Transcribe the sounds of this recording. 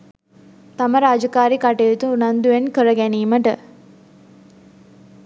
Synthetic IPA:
t̪aməɾaːd͡ʒəkaːɾikaʈet̪uːnand̪uʋenkəɾəɡæniːməʈə̰

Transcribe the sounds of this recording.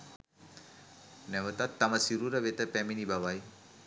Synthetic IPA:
nemɐtat̪ːɐmɐsiɾuɾɐβetɐpeminibaβaj

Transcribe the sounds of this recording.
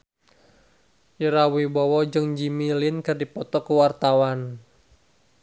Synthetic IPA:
jəɾawibɔwɔd͡ʒɨŋd͡ʒimilɪnkɨrdipɔt̪ɔkuwart̪awan

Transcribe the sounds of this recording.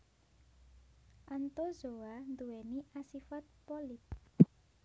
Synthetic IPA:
ʔant̪ozoand̪uwɛniʔasifat̪̚pɔlip̪̚

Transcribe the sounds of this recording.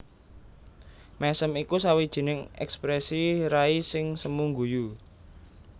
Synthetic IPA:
mɛsəmikusawid̥ʒ̥i̤nɪŋɛ̰kspɾɛsiɾaisɪŋsəmuŋɡuju

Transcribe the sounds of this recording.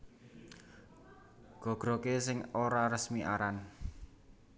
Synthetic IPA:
ɡ̥ɔ̤ɡ̥ɾɔkesɪŋoɾaɾəsmiʔaɾan

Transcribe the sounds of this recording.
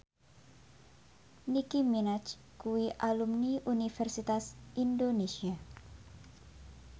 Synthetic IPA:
nikiminat͡ʃ | kuwiʔalumniʔunifɛrsit̪asʔindonesia

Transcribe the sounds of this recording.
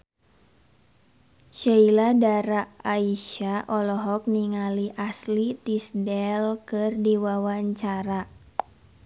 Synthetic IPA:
ʃailadaɾaaiʃaʔɔlɔɦɔk̚niŋaliʔaslit̪isdɛlkɨrdiwawaɲt͡ʃaɾa

